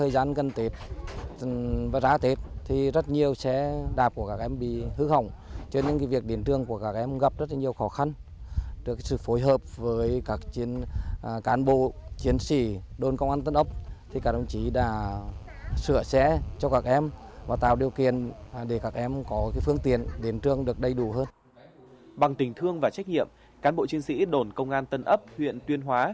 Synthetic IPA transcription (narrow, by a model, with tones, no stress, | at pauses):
əː˨˩jzaː˨˦nkə˨˩nt̪e˨˦t̚ | vaː˨˩zaː˨˦t̪e˨˦t̚t̪ʰi˨˩zə˦˥t̚ɲi˨˩əwsɛ̰˧˥ɗaː˨˩p̚ku˧˩əkaː˧˩k̚ʔɛ˧mɓḭ˧˨hɨ˧˥ɦa˨˧˩wŋ͡mt͡ɕɔ˧nɲḛ˧˥nkvi˨˩ək̚ɗe˨˦nt̪ɨ˨˧˩əŋku˧˩əkaː˧˩k̚ʔɛ˧mɣa˨˩p̚zə˦˥t̚lɲi˨˩əwxɔ˨˦xa˧n | ɗɨ˨˩ksɨ̰˧˨fo˨˦jɦəː˨˩p̚vəː˨˦jkaː˦˥k̚t͡ɕi˨˦ən˨kaː˨˦nɓo̰˧˨t͡ɕi˨˦ənsḭ˧˩˨ɗo˧nkə˧wŋ͡mʔaː˧nt̪ə˧nʔə˦˥p̚t̪ʰi˨˩kaː˦˩kɗə˧˩wŋ͡mt͡ɕi˨˦ɗa̰ː˧˩ | sɨ̰˧˨əsɛ̰˧˥t͡ɕɔ˧kaː˧˩k̚ʔɛ˧mvaː˨˩t̪a̰ː˧˨wɗi˨˩əwkḭ˧˨ənɗe˧˩kaː˦˥k̚ʔɛ˧mkɔ˨˦kaː˨˦fɨ˧əŋt̪ḭ˨˧˨ənɗe˨˦nt̪ɨ˧əŋɗɨ˨˩ək̚ɗə˧jɗu˧˩ɦəː˧n | ɓa˨˩ŋt̪ï˨˩˦ŋ̟t̪ʰɨ˧əŋvaː˨˩t͡ɕa˦˥k̚ɲḭ˧˨əm | kaː˨˦nɓo̰˧˨t͡ɕi˨˦ənsḭ˧˥ɗo˧˩nkə˧wŋ͡mʔaː˧nt̪ə˧nʔə˦˥p̚hwḭ˧˨ənt̪wi˧ənɦwaː˨˦